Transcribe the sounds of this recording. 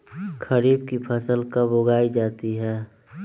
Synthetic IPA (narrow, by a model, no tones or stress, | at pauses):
kʰəɾiːb̚kipʰəsəlkabʊɡaːid͡ʒaːt̪iɦɛː